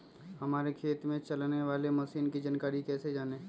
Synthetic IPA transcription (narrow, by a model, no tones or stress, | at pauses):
hɐmaːɾekʰeːt̪mẽt͡ʃɐlneʋaːlemɐsiːnkid͡ʒaːnkaːɾikɛːsed͡ʒaːneː